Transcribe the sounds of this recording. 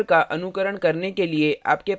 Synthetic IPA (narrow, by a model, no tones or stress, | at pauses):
ɾkaʔɐnʊkəɾəɽ̃kɐɾnekelieʔa̰ːpkep